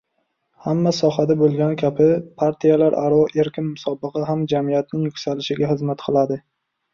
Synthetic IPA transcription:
hamːasɒhad̪abolˠɡʲanɪkʲʰapɪpʰaɾt̪ʰijalaɾʔaɾɒʔeɾkʲɪnmʊsɒbɨqɨɦamd͡ʒamijat̪̚nɪŋjʊkʲsalɪʃɪɡʲahɨzmat̪qʰɨlˠad̪ɪ

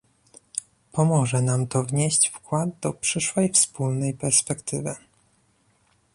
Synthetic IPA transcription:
pɔmɔʐɛnamt̪ɔvɲeɕt͡ɕfkwad̪̚d̪ɔpʂɘʂwɛjfspulnɛjpɛɾspɛkt̪ɘvɘ

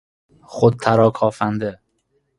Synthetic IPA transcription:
χod̪̚t̪ʰæɾɒːkʰɒːfænd̪e

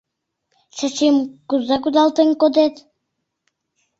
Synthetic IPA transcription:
ʃat͡ɕimkuzakud̪ɑlˠt̪eŋkod̪et̪

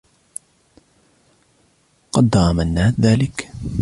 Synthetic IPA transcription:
qɑd̪ːɑmanːaːðaːlɪk

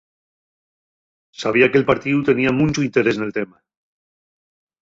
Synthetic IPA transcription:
saβiakelpaɾt̪iðut̪e̞niamũnt͡ʃoint̪eɾe̞snelt̪ema

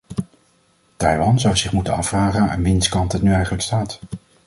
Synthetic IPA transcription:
tɛjʋɑnzʌwzɪχmutənɑfraːχəna̰ːnʋɪnskɑntɦətnyɛjχələkstaːt

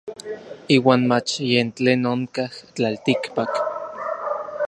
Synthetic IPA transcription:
iːwaːnmat͡ʃjent͡ɬeːnoŋkaht͡ɬalt̪ikpak

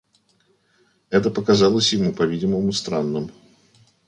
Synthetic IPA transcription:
ɛt̪əpəkɐzalˠəsʲjɪmupɐvʲidʲɪməmʊst̪ɾanːɨm

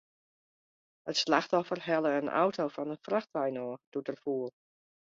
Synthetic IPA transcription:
ətslaxtɔfərɦɛlˠəənʔa̰wtʰowfɔnəfraxtʋajnɔːd̥udərfuːəlˠ

